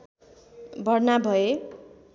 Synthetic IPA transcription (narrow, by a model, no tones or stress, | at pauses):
bʱʌrnabʱʌe